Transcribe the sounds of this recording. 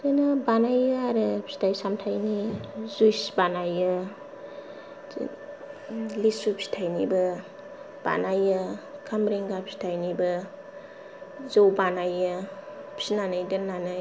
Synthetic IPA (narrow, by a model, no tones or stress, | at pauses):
kɯnɯbanajɯaɾɯpʰi̥tʰajsamtʰajnizujsbanajɯ | lisupʰi̥tʰajnibɐ | b̥a̰najɯkʰamɾeŋɡapʰsi̥tʰajnibɐ | zowbanajɯpʰsinanajdɯnanaj